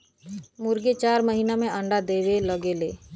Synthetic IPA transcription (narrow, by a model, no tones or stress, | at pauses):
mʊɾɡet͡ʃaːɾməɦiːnamẽə̃ɳɖad̪eʋeləɡeleː